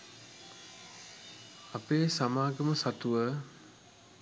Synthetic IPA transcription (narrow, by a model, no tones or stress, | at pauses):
apeːsamaːɡəməsat̪uʋə